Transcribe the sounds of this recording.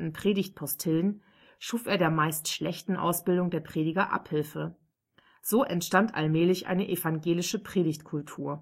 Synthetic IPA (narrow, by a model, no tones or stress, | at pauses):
n̩pʁ̥eːdɪçt̚pʰɔstʰɪlən | ʃuːfeːɐɾeːɐmaɪstʃlɛçtn̩ʔa̰ʊsb̥ɪldʊŋdeːɐpʁ̥eːdɪɡɐʔa̰phɪlfə | z̥oːʔɛntʃtantʔa̰lmɛːlɪçʔa̰ɪnəʔɛfaŋɡeːlɪʃəpʁ̥eːɾɪçtkʰʊltʰuːɐ